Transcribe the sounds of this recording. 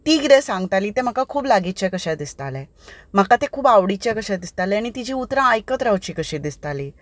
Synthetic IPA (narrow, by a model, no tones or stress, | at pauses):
t̪iːɡd̪esãŋɡt̪aliːt̪em̤əkakʰuːblaɡit͡ɕjakəɕad̪ist̪alɛ | m̤əkat̪ekʰuːbaʋɽit͡ɕjakəɕad̪ist̪alɛaɽ̃it̪id͡ʑiːut̪ɾãːjkət̪ɾawt͡ɕiːkəɕid̪ist̪aliː